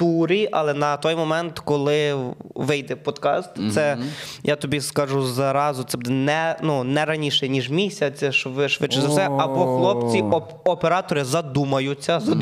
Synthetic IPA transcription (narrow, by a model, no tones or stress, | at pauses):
t̪uɾʲiʔɐ̰lˠɛnɐt̪ɔjmɔmɛnt̪kɔlˠɪʋɪjd̪ɛpɔd̪kɑ̰st̪sɛjʔat̪ɔbʲiskɐʒuzɐɾɑzʊt̪sɛbd̪ɛnɛnunɛɾɐnʲiʃɛnʲiʒmʲisʲɐt͡sʲɛʃɔʋɪʃʋɪt͡ʃːɪzɐwsɛɐbɔxlˠɔpt͡sʲiɔ | ɔpeɾɑt̪ɔɾɪzɐd̪umɐjʊt͡sʲːɐzɐ